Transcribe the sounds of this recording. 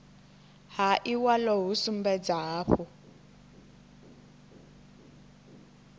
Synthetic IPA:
haʔiwalɔɦusum̩bɛd͡zaɦaːɸu

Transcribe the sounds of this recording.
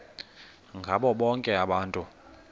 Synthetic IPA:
ŋɡʱaɓɔɓɔŋkʼɛaɓaːntʼu

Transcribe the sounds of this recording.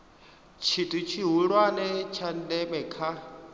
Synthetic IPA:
t͡ʃʰitʼit͡ʃʰiɦuɺwanɛt͡ʃʰandɛɓɛkʰa

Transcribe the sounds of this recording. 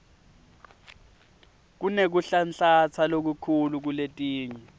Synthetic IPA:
k̬unek̬uɬanɬat͡sʰalok̬ukʰuluk̬uletʼiːɲɛ

